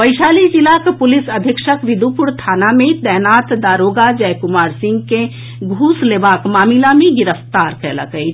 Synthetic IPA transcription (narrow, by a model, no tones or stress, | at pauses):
pəjsalid͡ʒilakpulisəd̪ʱjəkʃəkʋid̪upuɾt̪ʰanamed̪ɛɦnat̪d̪aɾoɡad͡ʒɛjkumaɾsĩŋɡke | ɡʱuslebakmamilamẽɡiɾəft̪aɾkɛlə̰kəjt͡ʃ